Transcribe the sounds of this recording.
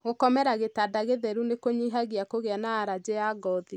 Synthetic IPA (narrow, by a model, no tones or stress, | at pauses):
ɣokɔmɛɾaɣetadaɣeðɛɾunekoɲiɦaɣiakoɣeanaːɾad͡ʑejaɡɔði